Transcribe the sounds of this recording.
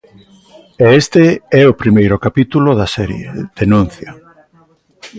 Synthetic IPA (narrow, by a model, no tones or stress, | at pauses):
eest̪eɛopɾimejɾʊkapit̪uloðɐsɛɾjḛd̪̥enũn̟θja